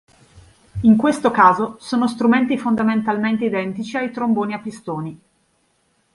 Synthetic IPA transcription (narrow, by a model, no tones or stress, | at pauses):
iŋkwest̪okaːzosoːnost̪ɾument̪ifond̪ament̪alment̪eid̪ɛnt̪it͡ʃiajt̪ɾomboːniapːist̪oːni